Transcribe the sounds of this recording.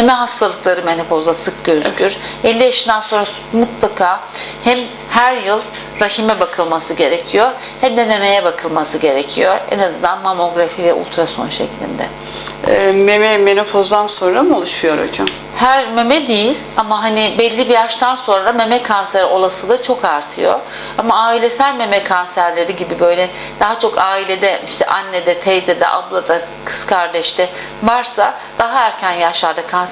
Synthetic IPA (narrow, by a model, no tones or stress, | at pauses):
memɛɦast̪ʰalˠɯklˠaɾɯmenefo̞zasɯk̚ɟøzkʲʰyɾɛlʲːijaʃɯnd̪ænso̞nɾa | mut̪lˠakʰaː | hɛm | hæɾjɯlˠ | ɾaçʰimɛbakʰɯlˠmasɯɟe̞ɾecʰijo̞ | hɛmd̪ɛme̞me̞jɛbakʰɯlˠmasɯɟe̞ɾecʰijoḛnazɯnd̪anmamo̞ɡɾafivɛṵlˠt̪ʰɾaso̞̰nʃɛ̰clʲḭnd̪ɛ̰ | ɛmemɛmenofozd̪anso̞nɾamɯolˠuʃujo̞ɾo̰d͡ʒam | hæɾme̞mɛd̪ejilʲamaɦanibɛlʲːibijaʃt̪ʰanso̞nɾame̞mɛkʰanseɾʔo̞lˠasɯd̪ˠat͡ʃʰo̞kaɾt̪ʰɯjo̞̰ | amaaːilʲe̞sælʲme̞mɛkʰansæɾlʲe̞ɾiɟibibø̞jlʲɛ | d̪̥aɦat͡ʃʰo̞kaːilʲe̞d̪ɛiʃt̪ʰɛ̰ʔanːed̪ɛt̪ʰɛjzed̪ɛ̰ʔa̰blˠad̪akʰɯ̥skʰaɾd̪ɛʃt̪ʰɛ | vaɾsa | d̪̥aɦaæɾcʰænjaʃlˠaɾd̪akʰans